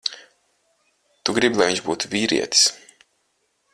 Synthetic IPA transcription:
t̪uɡɾibʲilˠajviɲt͡ʃʒbuːt̪uvʲiːɾḭɛt̪i̥s

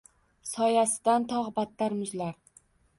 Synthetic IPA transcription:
sɒjasɪd̪ant̪ʰɒʁbat̪ːaɾmʊzlaɾ

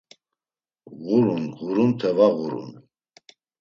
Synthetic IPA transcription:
ʁuɾunʁuɾunt̪ʰɛvaʁuɾṵn

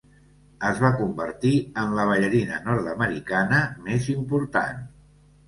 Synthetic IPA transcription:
əzβakumbəɾt̪iənləβ̞əʎəɾinənɔɾt̪əməɾikanəmezimpuɾt̪a̰n

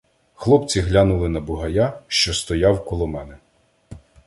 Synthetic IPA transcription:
xlˠɔpt͡sʲiɦlʲanʊlˠɪnɐbʊɦɐjaʃt͡ʃɔst̪ɔjɑwkɔlˠɔmɛnɛ

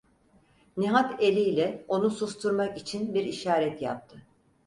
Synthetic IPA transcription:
niɦat̪elʲijlʲɛo̞nusust̪ʰuɾmakit͡ʃʰinbiɾiʃaːɾɛt̪ja̰p̚t̪ʰɯ

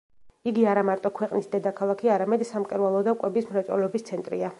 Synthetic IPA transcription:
iɡiaɾamaɾt̪ʼɔkʰwɛqʼnisd̪ɛd̪akʰalˠakʰiaɾamɛd̪samkʼɛɾwalˠɔd̪akʼwɛbismɾat̪sʼɛ̰lɛɔbist̪sʰɛnt̪ʼɾḭa

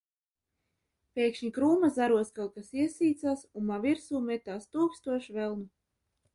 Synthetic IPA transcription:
pʲeːkʃɲikɾuːmazaɾuɔskalt̪̚kasiɛsiːt̪saːsunmaviɾsuːmɛt̪aːst̪uːkst̪uɔʃvɛlˠnu

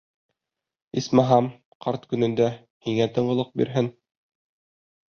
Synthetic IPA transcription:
ismɑɦɑm | qʰɑɾt̪kɵ̆nɘ̆nd̪æ | hiŋæt̪ɤ̆ɴɢɤ̆lˠɤq̚bḭɾɦɘn

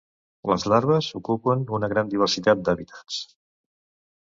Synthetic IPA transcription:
ləzlaɾβəzukupənunəɣɾand̪iβ̞əɾsit̪at̪̚d̪əβit̪ʰḁt͡s

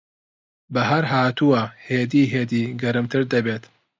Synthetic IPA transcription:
bɐɦɐɾɦaːt̪uaheːd̪iːɦeːd̪iːɡɐɾɨmt̪ʰɨɾd̪ɐbeːt̪

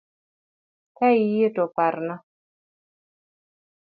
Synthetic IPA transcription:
kaijetopaɾna

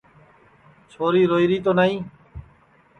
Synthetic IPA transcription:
t͡ʃʰoːɾiːɾoːiːɾiːt̪oːnaːĩː

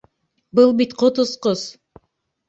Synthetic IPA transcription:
bɨlˠbit̪qʰot̪usqoz

